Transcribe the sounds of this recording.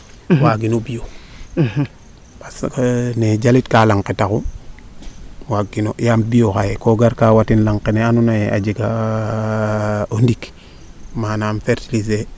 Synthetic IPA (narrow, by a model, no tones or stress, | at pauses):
waɡinobijo | pasned͡ʒalitkalaŋketaku | waɡinojam̚bijokajekoɡaɾkawatinlaŋkeneanunajeʔad͡ʒiɡa | ondik | mananfeɾtilise